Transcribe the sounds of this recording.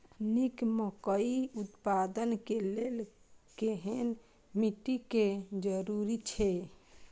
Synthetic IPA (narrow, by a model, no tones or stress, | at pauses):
nikmɔkəiut̪pad̪ənkelel | keɦen | miʈiked͡ʒəɾuɾit͡ʃʰɛ